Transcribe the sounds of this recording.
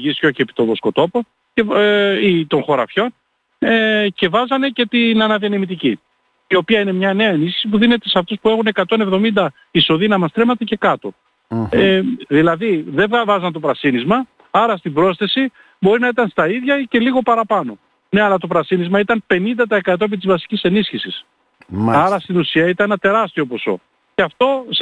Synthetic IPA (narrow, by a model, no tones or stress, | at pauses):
ʝist̪ço̞ceːpi̥t̪oðosko̞t̪o̞po | ce̞it̪o̞nxo̞ɾɐ̰fço̞n | ece̞vɐzɐne̞ce̞t̪inɐnɐðiɐnɐmit̪ici | io̞piɐine̞mɲɐne̞ɐe̞nisçi̥sipuðine̞t̪e̞seɐft̪uspue̞xune̞kɐt̪o̞ne̞vðo̞mind̪ɐ | iso̞ðinɐmɐst̪ɾe̞mɐt̪ece̞kɐt̪o̞ | eðilɐðiðe̞vɐvɐzɐnt̪o̞pɾɐsinizmɐ | ɐɾɐst̪ibɾo̞sθe̞si | bo̞ɾinɐit̪ɐnst̪ɐiðʝɐce̞liɣo̞pɐɾɐpɐno̞ | ne̞ɐlɐt̪o̞pɾɐsinizmɐit̪ɐnpe̞nind̪ɐt̪ɐe̞kɐt̪o̞ep̬it̪izvɐsi̥cise̞nisçisis | ɐɾɐst̪inusiɐit̪ɐnenɐt̪e̞ɾɐst̪io̞po̞so̞̰ | ceɐft̪o̞